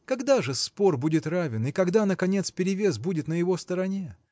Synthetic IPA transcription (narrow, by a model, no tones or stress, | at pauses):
kɐɡd̪aʐɨspo̞rbudʲɪt̪ravʲɪnɪkɐɡd̪anəkɐnʲe̞t̪spʲɪɾʲɪvʲesbudʲɪt̪nəjɪvost̪əɾɐnʲe